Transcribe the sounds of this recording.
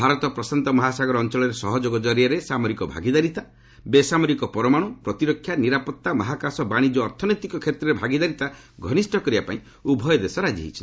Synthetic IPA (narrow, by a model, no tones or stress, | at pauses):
bʱaɾɔt̪ɔpɾɔsant̪ɔmɔɦasaɡɔɾɔːnt͡ʃɔɭɔɾesɔɦɔd͡ʒoɡɔd͡ʒɔɾijɔɾesamɔɾikɔbʱa̰ɡid̪aɾit̪a | besamɔɾikɔpɔɾɔmaɽ̃ɔpɾɔt̪iɾɔkʰjaniɾapɔt̪ːamɔɦakasɔbaɽ̃id͡ʒɔːɾt̪ʰɔnɔjt̪ikɔkʰet̪ɾɔɾebʱaɡid̪aɾit̪a | ɡʱɔnisʈʰɔkɔɾibapa̰ĩ | ubʱɔjɔd̪esɔɾad͡ʒḭɦit͡ʃʰin